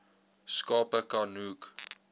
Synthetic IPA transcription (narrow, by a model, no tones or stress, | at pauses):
skɑːpəkɑnuːk